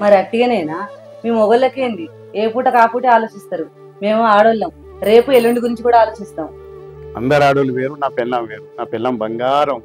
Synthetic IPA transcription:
mɐɾiɐʈːiɡɐnejnaː | meːmɔɡɐlːɐkeːnd̪i | eːpuːʈɐkaːpuːʈeaːloːt͡ʃist̪aːɾu | me̞ːmuaːɽolːɐm | ɾe̞ːpuelːoɳɖiɡuɾiɲt͡ʃikuːɽaːloːt͡ʃist̪aːmu | ɐ̰nd̪ɐɾaːɽuluʋeːɾunaːpilːɐmʋeːɾunaːpilːɐmbɐŋɡaːɾɐm

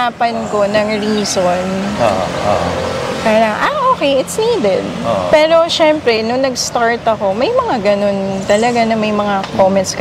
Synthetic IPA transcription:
aːpɐnko̞nɐŋɹiːson̰ | kɐjlaŋɐ̰ʔaʔoːkɛjʔɪt̪sniːd̪ɛd̪̚pɛːɾo̞ʃɛmpɾɛnʊŋnɐɡst̪aɹt̪ɐko̞mɐjmɐŋaɡɐno̞nt̪ɐlɐɡanɐmɐjmɐŋakomɛnt̪sk

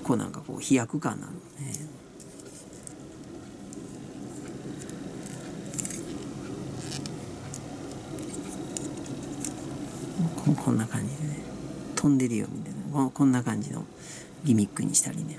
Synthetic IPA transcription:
koːnã̰ŋkako̰ːçijakɯ̟kãnːa̰none | kʰokʰõ̞nːakãɲ̟d͡ʑid̪e̞net̪ʰõ̞nd̪e̞ɾɯ̟jo̞̰mʲit̪anakõkõ̞nːakãɲ̟d͡ʑino̰ | ɡʲimʲikːɯ̟̰ɲ̟iɕi̥t̪aɾʲine̞

